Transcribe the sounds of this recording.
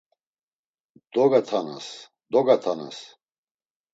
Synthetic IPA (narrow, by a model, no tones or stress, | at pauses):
d̪ɔɡat̪ʰana̰s | d̪ɔɡat̪ʰana̰s